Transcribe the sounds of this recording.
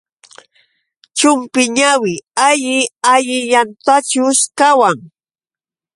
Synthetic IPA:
t͡ʃʊmpɪɲawɪaʎɪaʎɪʎant̪at͡ʃʊʃkawaŋ

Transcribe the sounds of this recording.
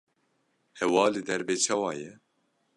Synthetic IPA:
hɛwɑːlɨd̪ɛɾbeːt͡ʃʰɑːwɑːjɛ

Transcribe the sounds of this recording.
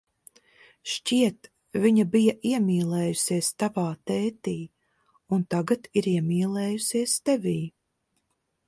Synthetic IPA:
ʃt͡ʃʲiɛt̪ | viɲabijaʔiɛmʲiːlˠɛːjusiɛst̪avaːt̪ɛːt̪iː | unt̪aɡat̪iɾiɛmʲiːlˠɛːjusiɛst̪ɛvʲiː

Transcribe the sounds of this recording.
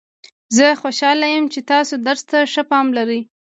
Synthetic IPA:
zəxoʃɑlajəmt͡ʃet̪ɑsod̪əɾst̪aʂəpɑmlaɾi

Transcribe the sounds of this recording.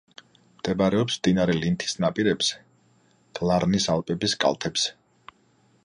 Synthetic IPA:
md̪̥ɛbɾɛɔpsmd̪inaɾɛlint̪ʰi̥snapʼiɾɛbz̥ɛ̥ | d̪̥alˠaɾnisalˠpʼɛbiskʼa̰lˠt̪ʰɛbz̥ɛ̥

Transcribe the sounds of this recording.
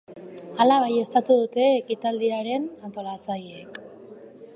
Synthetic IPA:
alaβ̞aje̞st̪at̪uðut̪e̞ːkit̪ald̪iaɾe̞nant̪o̞lat͡saʎeek

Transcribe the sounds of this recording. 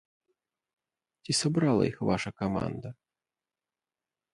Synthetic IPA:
tʲisɐbɾalˠɐ̰ixvaʃʂɐkɐma̰nd̪ɐ

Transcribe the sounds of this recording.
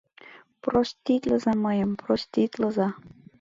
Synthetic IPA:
prosʲt̪ʲit̪ʲləzɑməjə̆mprosʲt̪ʲit̪ʲlə̆zɑ

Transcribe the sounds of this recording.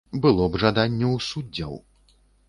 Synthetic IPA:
bɨlˠɔbʐad̪anʲːɛwsudd͡zʲːɐ̰w

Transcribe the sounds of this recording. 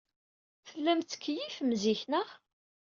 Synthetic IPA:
θəlːæmθə̥kːjifmziçnə

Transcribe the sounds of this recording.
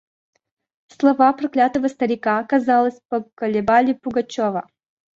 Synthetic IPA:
slˠɐvapɾɐklʲat̪əvəst̪əɾʲɪkakɐzalˠəsʲpəkəlʲɪbalʲɪpʊɡɐt͡ɕovə

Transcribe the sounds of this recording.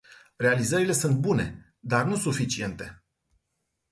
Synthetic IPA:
re̞alizəɾile̞sunt̪̚bune̞̰ | d̪arnusufit͡ʃie̞nt̪e̞

